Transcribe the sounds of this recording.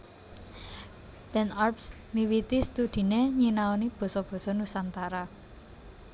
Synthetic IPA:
b̥ɛnarps | miwit̪ist̪ud̪̥i̤neɲinaonib̥ɔ̤sɔb̥ɔ̤sɔnusant̪aɾa

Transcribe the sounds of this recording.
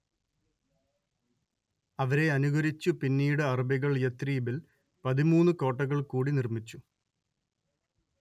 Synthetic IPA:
ɐʋɐɾe̞ɐnuɣɐɾit͡ɕːupinːiːɽɨɐrbiɣɐɭjet̪riːbil | pɐðimuːnːɨko̞ːʈːɐɣɐɭkuːɽinirmit͡ɕːu

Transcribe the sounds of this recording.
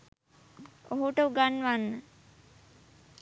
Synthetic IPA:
oɦuʈəuɡanːʋanːə

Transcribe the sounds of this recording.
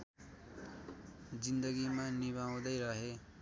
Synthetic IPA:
d͡zind̪ʌɡimaniβaw̃d̪ʌjɾʌɦe

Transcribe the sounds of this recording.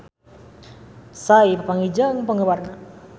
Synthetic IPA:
saipəpaŋid͡ʒaəŋpəŋəwarna

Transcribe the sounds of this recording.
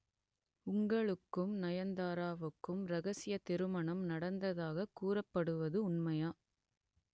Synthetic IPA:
ʊŋɡɐɭɯkːɯmnɐjɐnd̪aːɾaːʋɯkːɯmɾɐɣɐsɪjɐt̪ɪɾɯmɐɳɐmnɐɽɐnd̪ɐðaːɣɐkːuːrɐpːɐɽɯʋɐðɯʊɳmɐjaː

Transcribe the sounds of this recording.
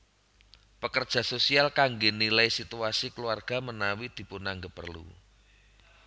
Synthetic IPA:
pəkərd̥ʒ̥a̤sosialkaŋɡenilajsit̪uasikəluarɡ̥a̤mənawid̪̥i̤punaŋɡəpərlṵ

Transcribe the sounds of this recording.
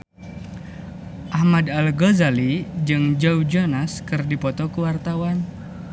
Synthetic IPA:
ʔahmadalɡozalid͡ʒɨŋd͡ʒawd͡ʒonaskɨrdipɔt̪ɔkuwart̪awan

